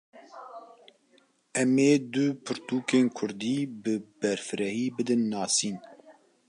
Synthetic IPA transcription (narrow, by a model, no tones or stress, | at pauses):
ɛmeːd̪ʊpʰɨɾt̪uːkeːnkʰʊɾd̪iːbɨbɛɾfɨɾɛhiːbɨd̪ɨnːɑːsiːn